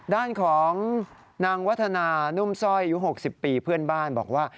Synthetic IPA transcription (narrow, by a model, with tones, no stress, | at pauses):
daː˥˩nkʰɔː˩˦ŋ | naː˧ŋwa˦˥t̪ʰːa˧naː˧nu˥˩msɔ˥˩jʔa˨ju˦˥ɦo˨˩k̚si˨˩pːiː˧pʰɯ˥˩ənbaː˥˩nbɔ̰ː˨˩k̚waː˥˩